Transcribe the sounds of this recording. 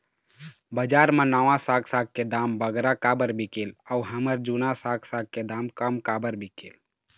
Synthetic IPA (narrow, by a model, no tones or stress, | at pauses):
bəd͡ʒaːɾmə̃naʋãsaːkʰsak̚ked̪aːmbəɡɾakabəɾbʱikiləuɦəməɾd͡ʒunãsaːkʰsaːɡ̚ked̪aːmkəmkaːbəɾbʱikiːl